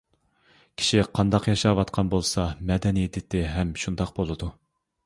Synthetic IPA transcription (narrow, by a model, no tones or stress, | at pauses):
kʲʰi̥ʃiqʰɑnd̪ɑqjɑʃɑwɑt̪qʰɑnbolˠsɑmɛd̪ɛnid̪ɪt̪ʰːɪɦɛmʃund̪ɑq̚bolˠɨd̪u